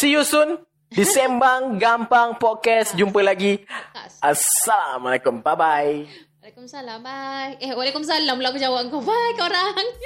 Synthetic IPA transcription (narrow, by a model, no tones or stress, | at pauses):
sijusun | disɛmbaŋɡampaŋpɔt̚kɛsd͡ʒumpəlaɡi | asːalamalakumpabaj | alakumsalabajwalakums̬alamlakud͡ʒawapŋkobajkoɾaŋ